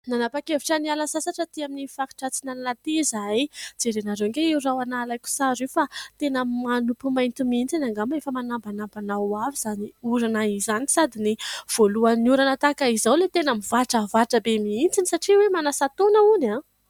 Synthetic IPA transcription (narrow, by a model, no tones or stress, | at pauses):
nanapakeviʈ͡ʂənialasasaʈ͡ʂət̪iaminifaki̥ʈ͡ʂat͡sinalnat̪ezajd͡zeɾenaɾewŋɡeewrawanalajkʲu̥saɾewfat̪enamanupumajnt̪imiint͡sinaŋɡamefəmanambanambanawaviz̥aniuɾanaizanisad̪iniv̥oluaniuɾanət̪akaizawlet̪enəmivaʈ͡ʂəvaʈ͡ʂəbemiint͡sinisaʈ͡ʂiwemanasat̪onauna